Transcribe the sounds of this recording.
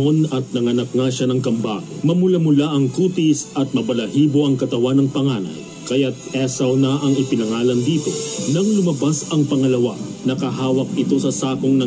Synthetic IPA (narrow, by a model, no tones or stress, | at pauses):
onɐt̪̚nɐŋɐnɐk̚ŋaʃanɐŋkɐmbamɐmʊlamʊlaʔɐŋkuːt̪isɐt̪̚mɐbɐlɐhiːbo̞ʔɐŋkɐt̪ɐwanɐŋpɐŋaːnɐ̰j | kɐjat̪̚ɛsɐwnɐʔɐŋɪpɪnɐŋaːlɐnd̪iːt̪o̞nɐŋlʊmɐbasɐŋpɐŋɐlɐwanɐkɐɦaːwɐk̚ɪt̪o̞sɐsaːko̞ŋnɐ